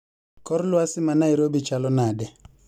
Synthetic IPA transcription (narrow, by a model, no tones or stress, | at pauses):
kɔɾlwasɪmanaiɾobit͡ʃalɔnadɛ